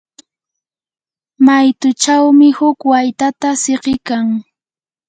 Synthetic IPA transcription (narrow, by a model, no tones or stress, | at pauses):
majt̪ʊt͡ʃawmɪhʊkwajt̪at̪aseqɪkaŋ